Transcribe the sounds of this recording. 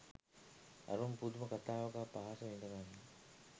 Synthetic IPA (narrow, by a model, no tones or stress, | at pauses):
ɐ̰ɾumpud̪umɐkat̪aːʋɐɡaːpaːsɐʋeɳɖɐʋaːnːe